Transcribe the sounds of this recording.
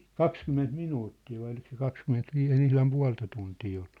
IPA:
kɑkskymːent minuːtːiː ʋɑi olik se kɑkskymːentʋiːs ei ne ihlɑm puɑ̝ltɑ tuntiː oll̥u̥

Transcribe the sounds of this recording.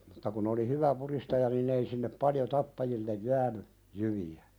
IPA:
mutːɑ kun oli hyʋæ puɾistɑjɑ ninˑ ei sinːep pɑljo tɑpːɑjilːej jæːny jyʋiæ

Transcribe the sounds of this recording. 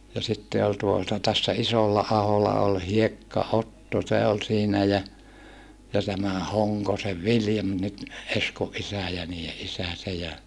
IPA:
jɑ sitːe ol tuotɑ tæsːæ isolːɑːholɑ ol hiekːɑotːo se ol siːnæ jæ jɑ tæmæ hoŋkoseʋ ʋiljɑm nyt eskoʔ ʔisæˑ jɑ niːje ʔisæ se jɑ

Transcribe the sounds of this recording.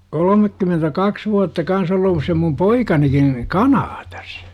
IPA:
kolomekːymentækɑks ʋuɑtːɑ kɑns olˑuːs se mum poikɑnikin kɑnɑːtɑ̥s

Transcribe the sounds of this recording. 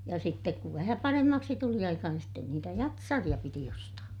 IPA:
jɑ sitːek kuʋ ʋæhæ pɑremːɑksi tuli ɑikɑ niːn sten niːtæ jɑtsɑrij̆ɑ piti ostɑː

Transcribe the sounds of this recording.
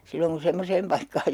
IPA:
silːoŋ kun̞ semːoseːm pɑikːɑːj

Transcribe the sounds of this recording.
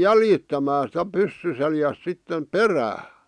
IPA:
jæljitːæmæː sĭtæ pysːy seljæs sitːem peræː

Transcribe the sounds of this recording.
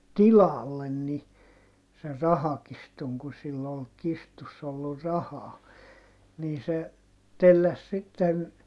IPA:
tilɑlːen ni ser rɑhɑkistuŋ ku silː ol kistusː olːur rɑhɑː niː se telːæs sitːen

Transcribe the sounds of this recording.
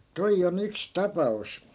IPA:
toij on yks tɑpɑus

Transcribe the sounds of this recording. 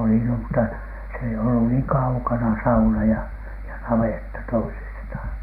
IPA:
oli no mutːɑ se ei olːu niːŋ kɑukɑnɑ sɑunɑ jɑ jɑ nɑʋetːɑ toisisth̆ɑˑn

